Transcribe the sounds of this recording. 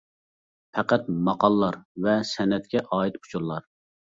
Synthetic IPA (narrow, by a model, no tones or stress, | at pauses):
pʰɛqæt̪̚mɑqʰɑlˠlːˠɑɾvɛsɛnɛt̪̚kʲʰɛʔɑːit̪u̥t͡ʃʰuɾlˠɑɾ